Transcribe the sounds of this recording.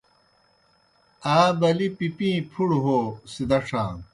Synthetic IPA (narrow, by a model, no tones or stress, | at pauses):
aːbɐlipipĩːpʰuɽɦoːsid̪ɐʂʰãː